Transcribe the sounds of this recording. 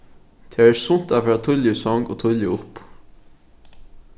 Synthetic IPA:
t̪ʰɛːæsʊn̥t̪afɾɑːt̪ʰʊljəsɔŋɡoːt̪ʰʊljəʊp

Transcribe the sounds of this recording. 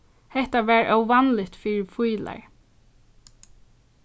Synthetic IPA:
hɛht̪aʋæːɹœwʋanlɪt̪fiːɹɪfujla̰ɹ

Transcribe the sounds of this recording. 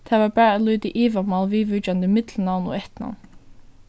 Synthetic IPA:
t̪ʰaːʋaɹpæːɹːt̪luːt̪ɪʔiːvamalʋiːʋʏt͡ʃand̪əmɪt̪lnawnɔ̰ɛht̪na̰wn

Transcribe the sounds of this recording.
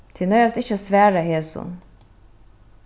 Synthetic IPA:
t̪ʰɪnœʏɑst̪ɪçəsʋæːɹəheːsṵn

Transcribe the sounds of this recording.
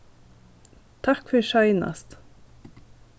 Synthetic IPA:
t̪ʰɑkfœɾʃɑʏnɑ̰st̪

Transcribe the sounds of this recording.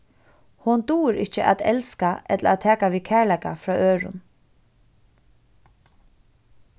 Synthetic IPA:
hʊnd̪uːɾɪt͡ʃəʔa̰ːd̪ɛ̰lskaʔɛt̪ləaːt̪ʰɛːkaʋiːkʰæːɹɭlækafɾɑːʔøːɹʊ̰n

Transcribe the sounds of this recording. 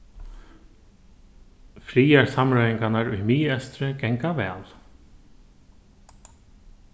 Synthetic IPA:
fɾiːjaɹsamɾajiŋkanaɾʊ̰jmiːɛst̪ɾɪkɛŋkavɛ̰ːl

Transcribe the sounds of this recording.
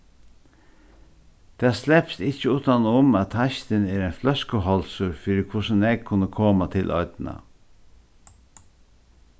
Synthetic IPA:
d̪̥eːaslɛpsɪçəuːt̪ɑnʊmat̪hɑçt̪əneːɾɛɪnflœskəɦɔlsʊɾfyːɾɪkʰʊʂən̩ɛɡ̚kʰʊnːəkʰoːmat̪ʰɪlʔɔ̰ʏd̪n̩ɑ̰

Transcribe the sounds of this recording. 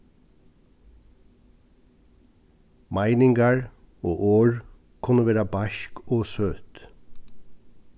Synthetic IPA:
mæɪnɪŋɡɑɹ | oːʔoːɹ | kʰʉnəʋeːɾɑbæʃkoːsøːt̪

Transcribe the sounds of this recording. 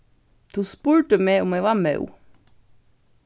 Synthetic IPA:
t̪ʰuːspuːɹʈəmeːʊmeɪʋɑːmœ̰ṵ

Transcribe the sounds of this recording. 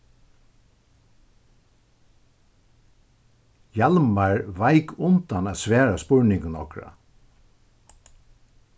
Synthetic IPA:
jalmaɹvajkʊnt̪anæːsʋɛːɹaspʊɹnɪŋkənɔkɹa̰

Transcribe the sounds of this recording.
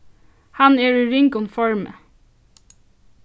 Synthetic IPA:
hɑneːɹʉɹɪŋkʊmfɔɹmə̰

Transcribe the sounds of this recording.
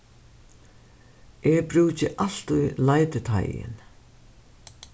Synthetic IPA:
ʔɛbɾʉːt͡ɕɪʔal̥t̪ujlajt̪ɪt̪ʰa̰jɪ̰n

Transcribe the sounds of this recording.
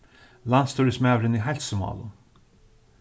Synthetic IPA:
lant̪st̪ʰuːɾɪsmɛːvɾəniɦɛlsʊmɑ̰ːlʊ

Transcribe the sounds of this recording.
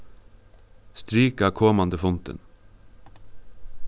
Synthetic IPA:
st̪ɾiːkɑːkʰɔmɑnd̪əfʊnt̪ə̰n

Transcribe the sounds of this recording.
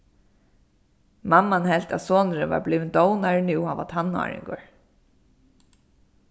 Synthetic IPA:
mamːanhɛl̥t̪a̰ðsoːnəɾəʋa̰ɹbliːʋɪnd̪ɔwnaɹnɪwhaːʋa̰t̪ʰana̰ːɹɪ̰ŋkʊɹ

